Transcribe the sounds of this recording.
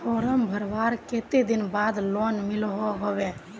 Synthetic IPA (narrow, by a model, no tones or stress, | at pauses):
pʰɔɾəmbʱəɾbaɾket̪ed̪inbad̪lonmilɦɔɦɔbe